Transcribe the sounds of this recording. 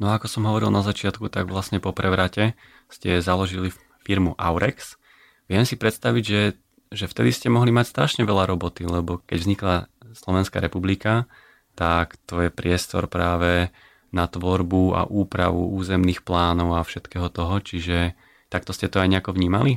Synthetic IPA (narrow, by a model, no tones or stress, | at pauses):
nɔaakɔsɔmɦɔʋɔɾilnazat͡ʃɪat̪kut̪aɡʋlasɲɛpɔpɾɛʋɾacɛ | scɛzalɔʒili | fiɾmuʔaʊɾʔɛks | ʋɪɛmsipɾɛt̪st̪aʋiɟʒɛ | ʒɛft̪ɛd̪iscɛmɔɦlimacst̪ɾaʃɲɛʋɛʎaɾɔbɔt̪ilɛbɔkɛɟvzɲiklaslɔʋɛnska̰ɾɛpublika | t̪akt̪ɔjɛpɾɪɛst̪ɔ̰ɾpɾaːʋɛ | nat̪ʋɔɾbua̰ʔuːpɾa̰ʋṵuːzɛmniːxplaːnɔʊafʃɛt̪kɛːɦɔt̪ɔɦɔt͡ʃiʒɛ | t̪ak̚t̪ɔscɛt̪ɔajɲɛakɔʋɲiːmali